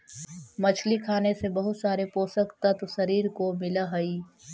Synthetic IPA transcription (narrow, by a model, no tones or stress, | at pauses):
mɐt͡ʃʰlikʰaːnesebɐɦʊt̪saːɾepoːsəkt̪ɐt̪sɐɾiːɾkomɪlaɦɐi